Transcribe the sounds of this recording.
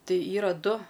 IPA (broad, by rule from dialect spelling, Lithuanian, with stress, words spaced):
ˈtɐɪ ˈiːrɐ ˈdʊ